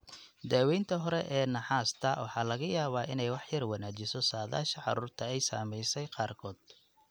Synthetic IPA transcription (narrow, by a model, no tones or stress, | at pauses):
d̪aːwɛjnt̪ʰɐɦɔɾɛʔɛːnɐħɑːst̪ʰɐwɑ̰ħɑːlɐɣɐjaːβaːʔɪnɛjwɑħjɐrwɑnaːt͡ʃɪsɔsaːða̰ːʃɐʕɑ̰ɾuːrt̪ʰɐɛjsa̰ːmɛjsɛjqɑːrkʰɔːd̪̥̚